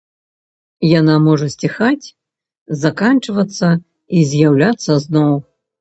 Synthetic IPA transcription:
janamɔʐɐsʲt͡sʲixat͡sʲ | zakant͡ʂɨvɐt̪sːɐ | izʲjawlʲat̪sːɐznɔw

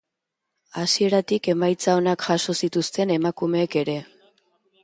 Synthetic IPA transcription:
asie̞ɾat̪ike̞majt͡sao̞nakʝaso̞sit̪ust̪e̞ne̞makume̞ːke̞ɾe̞

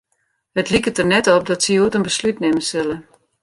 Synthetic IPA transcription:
hətlikətərnɛtɔp̚dɔtsəuətənbəslytnɪməsɪlˠə

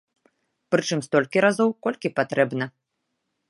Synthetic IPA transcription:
pɾɨt͡ʂɨmst̪ɔlʲkʲiɾazɔwkɔlʲkʲipat̪ɾɛbnɐ

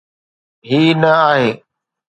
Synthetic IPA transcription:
ɦiːnəaːɦeː

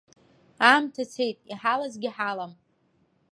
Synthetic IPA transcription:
amtʰat͡sʰe̞jtʼiħalazɡʲiħalam

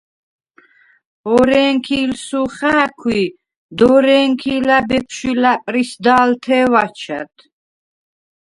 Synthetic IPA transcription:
ɔɾɛŋkʰilsuχaːkʰwi | d̪ɔɾɛːŋkʰilabɛpʰʃilapʼɾisd̪aːlt̪ʰɛːwat͡ʃʰa̰t̪ʰ

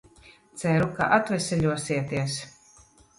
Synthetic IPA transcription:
t̪sæɾuka̰ʔat̪vɛsʲɛʎʲuɔsiɛt̪iɛs

